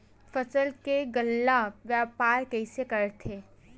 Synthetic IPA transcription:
fɐsəlkeɡəlːaʋjaːpaːɾkɛsekɐɾt̪ʰeː

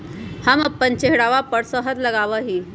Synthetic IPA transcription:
haməpːənt͡ɕeɦɽaʋapəɽsəɦət̪ləɡaʋəɦiː

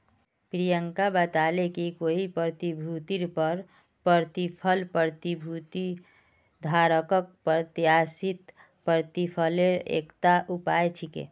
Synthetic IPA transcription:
pɾijəŋkabət̪alekikoɦipəɾt̪ibʱut̪iɾpəɾ | pəɾt̪ipʰəlpɾəɾt̪ibʱut̪i | d̪ʱaɾəkək̚pət̪jjasit̪ | pəɾt̪ipʰəleɾḛkt̪aʔupajt͡ʃʰikḛ

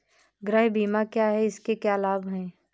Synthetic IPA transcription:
ɡɾəɦbiːmakjaɦɛɪskekjaːlaːbɦɛ̃ː

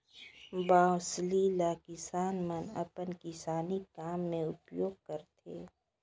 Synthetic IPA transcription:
baːslilakɪsaːnmənɐ̰pənkisaːnikaːmːẽʊpjoːɡ̚kəɾt̪ʰḛː

